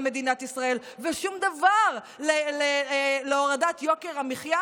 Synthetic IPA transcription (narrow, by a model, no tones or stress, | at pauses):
me̞d̪inat̪isʁae̞l | veʃumd̪avaʁ | leleleoʁadat̪jokeʁamiχja